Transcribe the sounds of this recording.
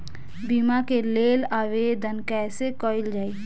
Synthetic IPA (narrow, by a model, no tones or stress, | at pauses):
bimakeleːlaːʋeːd̪ənkɛːsekɔɪld͡ʒaːi